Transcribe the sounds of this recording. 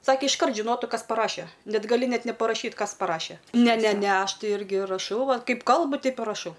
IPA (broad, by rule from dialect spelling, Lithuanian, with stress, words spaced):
ˈsɑːkʲeː ɪʃˈkɐrt ʒʲɪˈnoːtʊ ˈkɐs pɐˈrɑːʃʲɛ ˈnʲɛt ɡɐˈlʲɪ ˈnʲɛt nʲɛpɐrɐˈʃʲiːt ˈkɐs pɐˈrɑːʃʲɛ ˈnʲɛ ˈnʲɛ ˈnʲɛ ˈɐʃ ˈtɐɪ ˈɪrʲɡʲɪ rɐˈʃɐʊ ˈʋɐt ˈkɐɪp ˈkɐlˠbʊ ˈtʲɛɪp ɪ rɐˈʃɐʊ